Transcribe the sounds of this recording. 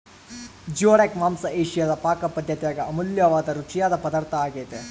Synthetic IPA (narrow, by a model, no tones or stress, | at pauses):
d͡ʒoːɽekmaːmsɐeːʃijad̪ɐpaːkɐpɐd̪ʱjɐt̪ɛjaːɡeɐmuljɐʋaːd̪ɐɾut͡ʃijaːd̪ɐpɐd̪aːɾt̪ʰɐaːɡeːt̪e